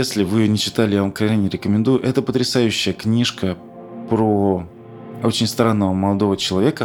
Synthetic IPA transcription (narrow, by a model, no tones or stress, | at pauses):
esʲlʲɪvɨɪjonʲɪt͡ɕɪ̥t̪alʲɪjavamkɐanʲɪɾʲɪkəmʲɪnd̪ujʊʔɛt̪əpət̪ɾʲɪsajʉɕːɪjəknʲiʂkə | pɾo | ot͡ɕɪnʲst̪ɾanːəvəməlˠɐd̪o̞vət͡ɕɪlˠɐvʲe̞kə